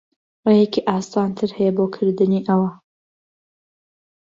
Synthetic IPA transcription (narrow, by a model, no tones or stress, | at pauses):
rejekiʔɑːst̪ant̪ʰɨɾhɛjɛbokʰɨɾd̪ɨniːʔɐwɐ